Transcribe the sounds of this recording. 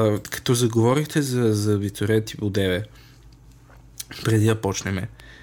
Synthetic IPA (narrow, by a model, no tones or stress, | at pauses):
kɐ̥t̪ɔzɐɡovɔɾixt̪ɛzɐzɐvit̪oɾɛt̪ipod̪ɛvɛ | pɾɛd̪iɐpɔt͡ʃnɛmɛ